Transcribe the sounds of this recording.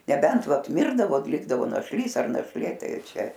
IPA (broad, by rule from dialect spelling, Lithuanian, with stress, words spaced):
nʲɛˈbʲɛnt ˈʋɐt ˈmʲɪrdɐʋoː ˈlʲɪɡdɐʋoː nɐʃʲˈlʲiːs ɐr nɐʃʲˈlʲeː ˈtɐɪ ˈt͡ʃʲɛ